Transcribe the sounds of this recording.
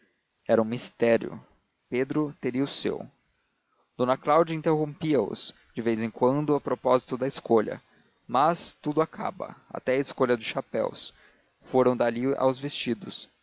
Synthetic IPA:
ɛɾɐũmist̪ɛɾjʊ̰ | ped̪ɾʊt̪eɾiɐʊsḛw | d̪̥õnɐklawd͡ʒɐĩnt̪eɦõpiɐʊ̰s | d͡ʒɪvejzẽj̃kwɐ̃nd̪ʊɐpɾopɔzit̪ʊd̪ɐɪskoʎɐ̰ | mɐst̪ud̪ʊakʰa̰bɐ̰a̰t̪ɛɐɪskoʎɐd̪ʊsʃapɛ̰ws | foɾɐ̃w̃d̪alia̰wzvest͡ʃid̪ʊs

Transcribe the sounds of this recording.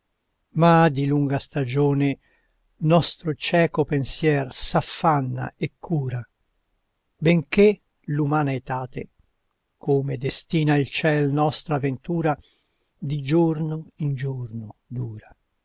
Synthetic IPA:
mad̪iluŋɡast̪ad͡ʒoːne | nɔst̪ɾot͡ʃɛːkopensjɛrsafːanːa̰ekʰːuːɾa | beŋke | lumaːnaet̪aːt̪e | koːmed̪est̪iːnailt͡ʃɛlnɔst̪ɾaːvent̪uːɾa | d̪id͡ʒornoind͡ʒornod̪uːɾa

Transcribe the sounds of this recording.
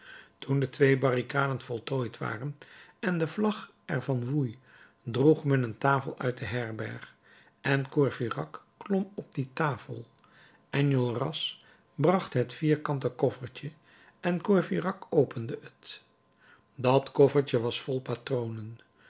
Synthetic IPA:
tundətʋejbɑrikaːdənfɔlˠtojtʋa̰ːrənɛndəvlɑχ | ɛɹvɑnʋuj | druχmɛnəntaːfəlˠʔœ̰ɥt̚dəɦɛɹbɛ̰ɹχ | ʔɛnkɔɹvirɑkː | lɔmɔb̚ditaːfə̰lˠ | ʔɛnjɔlˠrɑs | brɑχtɦətfiːɹkɑntəkɔfəɹcə | ʔɛnkɔɹfirɑkowpəndəət | dɑtkɔfəɹtəʋɑsfɔlˠpatrownən

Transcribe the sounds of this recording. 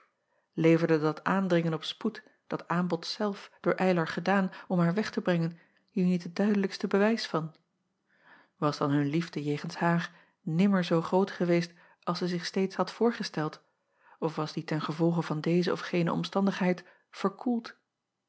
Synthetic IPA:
lejvəɹdədɑtaːndʁɪŋənɔpsput | d̥ɑtaːmbɔtsɛlˠfd̥ʊːɹʔɛjləɹχədaːnɔmɦaːɹʋɛχtəbʁɛŋən | hiːɹnitɦət̚d̥œɥdələkstəbəʋɛjsfɑn | ʋɑsd̥ɑnɦɵnlivdəjeːχənshaːɹ | nɪməɹzowχrowtχəʋejst | ɑlˠsɛzɪχstejtshɑtfʊːɹχəstɛlˠt | ɔfʋɑzditɛnχəvɔlˠχəvɑndejzəɔfχejnəɔ̰mstɑndəχɦɛjt | fəɹkʰulˠt

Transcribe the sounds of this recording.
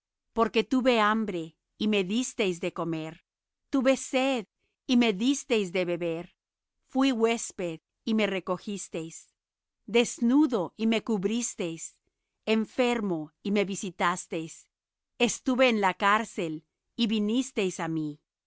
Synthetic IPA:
po̞ɾke̞t̪uβe̞ambɾe̞ | ime̞ðist̪e̞jzd̪e̞ko̞me̞ɾ | t̪uβe̞seð | ime̞ðist̪e̞jzd̪e̞βe̞βeɾ | fwiɣwe̞speð | ime̞re̞ko̞xist̪e̞js | d̪e̞znuðo̞ʔime̞kuβɾist̪e̞js | eɱfe̞ɾmo̞ime̞βisit̪ast̪e̞js | est̪uβe̞ːnlakaɾse̞l | iβinist̪e̞jsami

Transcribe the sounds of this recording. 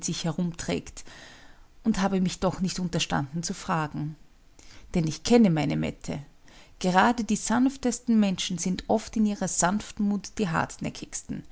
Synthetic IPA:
tz̥ɪçhɛʁ̞ʊmtʁ̥ɛ̰ːkt | ʊnthaːbəmɪçd̥ɔχnɪçtʊntɐʃta̰ndn̩t͡sufʁ̥aːɡŋ̩ | d̥ɛnɪçkʰɛnəmaɪnəmɛ̰tʰə̰ | ɡ̥əʁ̞aːdədiːz̥anftəstn̩mɛnʃn̩zɪntʔɔftɪniːʁɐz̥anftmuːtd̥iːɦa̰ɐtnɛ̰kʰɪçstn̩

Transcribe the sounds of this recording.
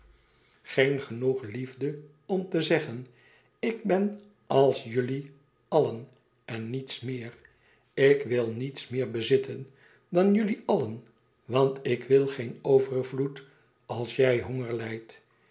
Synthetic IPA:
χejnχənuχlivdə | ɔmt̪əzɛχən | ɪk̚bɛn | ɑlˠsjɵli | ɑlən | ɛnːitsmɪːʁ | ɪkʋɪlˠnitsmɪːɹbəzɪtən | dɑnjɵliɑlən | ʋɑntɪkʋɪlˠχenowvəɹrvlut | ɑlˠsjɛjɦoŋəɹlɛjt

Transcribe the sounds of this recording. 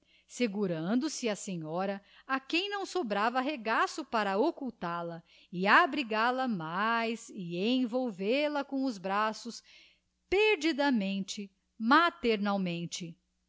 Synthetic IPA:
seɡuɾɐ̃nd̪ʊsɪɐsẽɲɔɾɐakẽj̃nɐ̃w̃sobɾavɐɦeɡasʊpaɾɐokuwt̪aɾlɐ | ɪabɾiɡaɾlɐmajzɪẽj̃vowveɾlɐkõʊzbɾasʊs | peɾd͡ʒid̪ɐmẽnt͡ʃɪ | mat̪eɾnawmẽnt͡ʃɪ

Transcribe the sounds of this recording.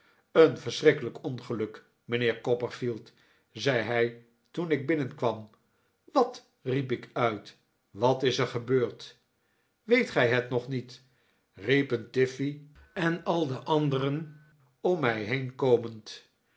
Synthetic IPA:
ənvəɹsrɪkələkɔnχəlɵk | məneːɹkɔpəɹfilˠt | zɛjɦɛj | tunɪɡ̚bɪnənkʋɑm | ʋɑt | ripɪkœɥt | ʋɑtɪsəɹχəbøːɹt | ʋejtχɛjɦətnɔχnit | ripəntɪfi | ɛnɑlˠdəʔɑndərən | ɔmːɛjɦejnkowmənt

